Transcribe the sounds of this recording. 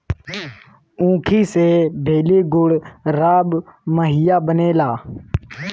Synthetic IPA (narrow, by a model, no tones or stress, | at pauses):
ũːkʰiːseːbʱeːleːɡʊɽɾaːɓməɦiːjaːɓəneːlaː